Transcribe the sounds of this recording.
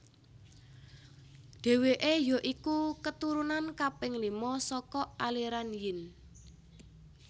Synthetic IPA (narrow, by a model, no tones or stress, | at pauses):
ɖ̪̥e̤weʔejɔʔikukət̪uɾunankapɪŋlimɔsɔkɔʔaliɾanjɪn